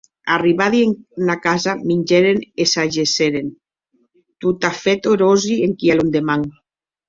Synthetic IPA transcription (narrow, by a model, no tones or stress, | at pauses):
ariβaðieŋnakazamiɲʲd͡ʒeɾenesaʒeseɾen | t̪ut̪afet̪oɾozieŋkialond̪emaŋ